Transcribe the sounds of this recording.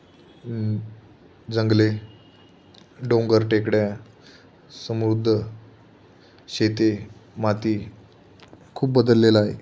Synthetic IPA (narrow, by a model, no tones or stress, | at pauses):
d͡zəŋɡle | ɖõŋɡəɾʈekɽja | səmɾud̪ʱːə | ɕet̪emat̪iː | kʰuːp̚bəd̪əlːelaɦḛ